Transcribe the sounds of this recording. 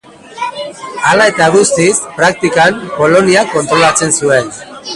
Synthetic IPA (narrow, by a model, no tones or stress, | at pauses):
alae̞t̪aɣust̪ispɾak̚t̪ikampo̞lo̞niako̞nt̪ɾo̞lat͡se̞nsue̞n